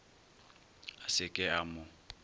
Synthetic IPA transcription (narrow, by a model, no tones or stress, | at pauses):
asɪkʼɪamʊ